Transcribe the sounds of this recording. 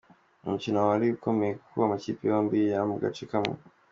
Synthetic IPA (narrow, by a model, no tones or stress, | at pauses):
m̩t͡ʃinawalikɔmɛkʰuwamat͡ʃipiɔmbijam̩ɡa̰tikamṵ